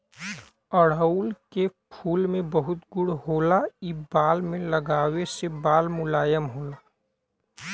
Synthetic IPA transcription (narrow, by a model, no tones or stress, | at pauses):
əɽəʊlkepʰuːlmẽbəɦʊt̪ɡʊɽɦoːlaibaːlmẽləɡaːwesebaːlmʊlaːjəmɦoːlaː